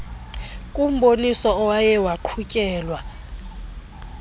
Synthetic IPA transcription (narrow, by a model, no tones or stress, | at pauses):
kʼum̩ɓonisɔɔwajɛwaǃʰukʼɛːlwa